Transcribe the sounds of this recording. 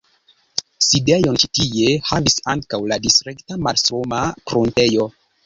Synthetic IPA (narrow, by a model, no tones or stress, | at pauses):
sidejo̞nt͡ʃi̥tie̞havisaŋkawladisɾektamalsomafɾonte̞jo̞